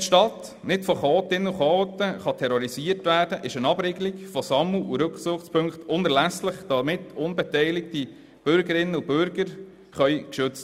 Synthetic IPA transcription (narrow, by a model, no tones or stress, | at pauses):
tʃtɑt | nɪtfɔχoːtɪnːəuχoːt̪əχɑtʰɛɾɔɾisiːəɾtʋæːɾdəʔɪʃənɑbɾeɡəliɡfɔsɑmuʔuɾɵksʊχt͡spʰɵŋkχtʊnɛɾlæsləχd̥ɑmɪtʊnbɛtɛɪlɪk̚ti | b̥ʏɾɡəɾɪnːəub̥ʏɾɡəɾ | χœʏkʃʏt͡st